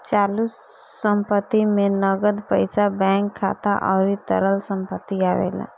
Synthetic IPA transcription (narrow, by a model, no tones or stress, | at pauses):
t͡ʃaːlus | sə̃mpət̪ːimẽnəɡəd̪pəɪsabɛ̃ːŋkʰːa̰ːt̪aʔɔ̰ːɾit̪ə̰ɾəlsə̃mpət̪ːiaːʋḛːla̰